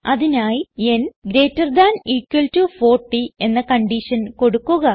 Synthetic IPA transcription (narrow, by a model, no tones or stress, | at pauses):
ɐðinaːjie̞nɡɾeːtːɐrd̪aːniːkːwɐltufo̞ːrʈːie̞nːɐkɐɳɖiʂɐnko̞ɽukːuɣɐ